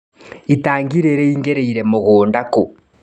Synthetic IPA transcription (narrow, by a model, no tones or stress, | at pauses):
itaːŋɡiɾeɾɛiŋɡeɾeiɾɛmoɣoːndako